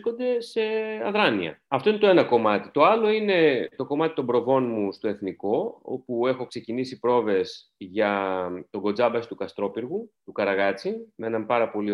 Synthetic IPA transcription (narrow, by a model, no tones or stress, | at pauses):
ko̞nd̪e̞se̞ɐðɾɐniɐ̰ɐft̪o̞inet̪oe̞nɐko̞mɐt̪it̪o̞ɐlo̞ine̞t̪o̞ko̞mɐt̪i̥t̪o̞mbɾo̞vo̞nmust̪oe̞θniko̞o̰pue̞xo̞kse̞cinisipɾo̞ve̞s | ʝɐt̪o̞ɡo̞d͡zɐbɐsi̥t̪ukɐst̪ɾo̞piɾɣut̪ukɐɾɐɣɐt͡simeenɐmpɐɾɐpo̞li